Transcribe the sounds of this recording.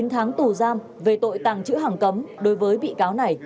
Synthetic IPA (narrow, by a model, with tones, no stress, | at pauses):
nt̪ʰaː˨˦ŋt̪u˨˩zaː˧m | ve˨˩t̪o̰˧˨jt̪aː˨˩ŋt͡ɕɨ̰˧˥ɦaː˨˩ŋkə˨˦mɗo˨˦jvəː˨˦jɓḭ˧˨kaː˨˦wna˨˩j